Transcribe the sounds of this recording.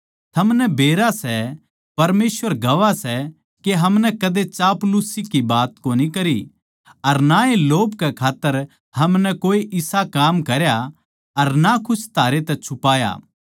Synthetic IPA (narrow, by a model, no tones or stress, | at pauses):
t̪ʰɐmnɛbeːɾasɛ | pɐɾmeːsʋəɾɡɐʋasɛ | keɦɐmnɛkɐd̪et͡ʃaːplusikibaːt̪koːnikɐɾi | ɐɾnaeloːbkɛkʰaːt̪ːəɾ | ɦɐmnɛkoːeʔɪsakaːmkɐɾja | ɐɾnakʰʊst̪ʰaːɾet̪ɛt͡ʃʰʊpaːja̰ː